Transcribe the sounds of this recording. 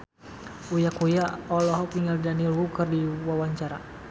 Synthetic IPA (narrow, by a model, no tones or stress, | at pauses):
ujakujaɔlɔɦɔpiŋɡaldanilwukərdiwawaɲt͡ʃaɾa